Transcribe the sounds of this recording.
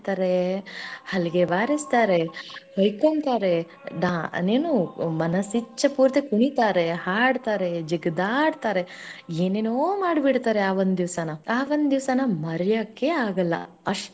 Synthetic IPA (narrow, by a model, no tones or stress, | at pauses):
t̪aːɾe | hɐliɡe̞ʋaːɾist̪aːɾe̞hɐjkont̪aːɾe̞ | ɖa̰ːneːnumɐnɐsit͡ʃːɐpuːɾt̪ekuɳit̪aːɾe̞haːɽt̪aːɾe̞d͡ʒiɡd̪aːɽt̪aːɾe̞eːneːnoːmaːɽibiɽt̪aːɾe̞aːʋond̪ud̪iʋsɐnɐaːʋond̪d̪iʋsanɐmɐɾɐjakːeaːɡɐlːɐ̰ | ɐʂ